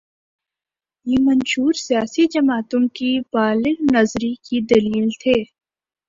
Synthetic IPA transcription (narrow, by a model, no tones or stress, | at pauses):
jeːmɐnʃuːɾsijaːsid͡ʒɐmaːt̪õkibaːlɪɡnɐzɾikid̪ɐliːlt̪ʰeː